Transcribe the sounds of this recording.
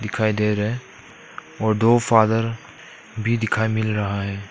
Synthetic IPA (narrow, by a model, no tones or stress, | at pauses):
d̪ɪkʰaːid̪eːɾɐɦe | ɔːɾd̪oːfaːd̪əɾ | bʱid̪ɪkʰaːimɪlɾɐɦaɦɛː